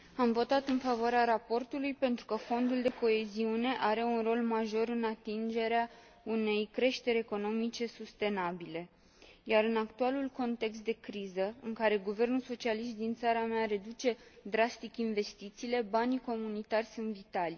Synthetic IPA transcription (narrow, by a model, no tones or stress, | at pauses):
amvo̞t̪at̪ɨnfavoaɾeaɾapo̞rt̪ulujpe̞nt̪ɾukəfo̞nd̪uld̪e̞ko̞e̞ziune̞ʔaɾe̞unro̞lmaʒo̞ɾɨnat̪ind͡ʒe̞ɾea | une̞jkɾe̞ʃt̪e̞ɾeko̞no̞mit͡ʃe̞sust̪e̞nabile̞ | jaɾɨnakt̪ualulko̞nt̪e̞ks̬t̪d̪e̞kɾizəɨŋkaɾe̞ɡuve̞rnulso̞t͡ʃialiʃt̪̚d̪int̪saɾameaɾe̞d̪ut͡ʃe̞d̪ɾast̪ikinve̞st̪it̪siːle̞baniko̞munit̪arʲsunt̪vit̪alʲ